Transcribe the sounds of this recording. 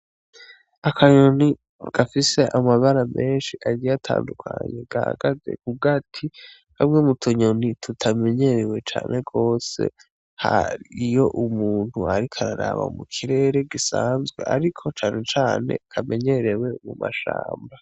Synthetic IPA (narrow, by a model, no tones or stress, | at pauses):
akʰaɲo̞ni | ɡ̥afise̞ʔamaβaɾame̞ːnʃiʔaɟijatʰa̰ːndukʰaɲe̞ɡ̥aha̰ɡ̥aze̞̰kuɡatʰi | hamŋemutʰoɲonitʰutʰame̞ɲe̞ɾewe̞t͡ʃaːnʔe̞ɡo̞ːse̞̰ | haɾijo̞ʔumuːn̥huaɾikʰaɾaɾa̰βa̰mukʰiɾe̞ːɾe̞ɡisaːnzɡwe̞̰ʔaɾikʰo̞t͡ʃaːnʔe̞t͡ʃaːne̞̰kʰame̞ɲe̞ɾewe̞mumaʃa̰ːmba